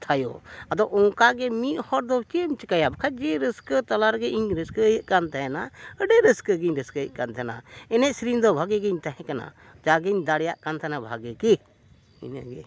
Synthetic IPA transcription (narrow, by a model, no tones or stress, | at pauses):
t̪ʰajɔ̰ad̪ɔɔŋkaɡɛmiʔ̪hɔɾd̪ɔt͡ʃimt͡ʃəkajabkʰad͡ʒɛɾəskt̪ɔlaɾɡɛʔiɲɾəskəjəʔkant̪ʰaanaəɖɛɾəskəɡiɲɾəskəjəʔkant̪ʰana̰ɛnɛʔsɾind̪ɔbʱaɡɛɡɛɲt̪aɦɛ̃kana̰ | d͡ʒaɡɛiɲd̪aɽjaʔkant̪ʰanabʱaɡɛki | inə̰ɡɛ̰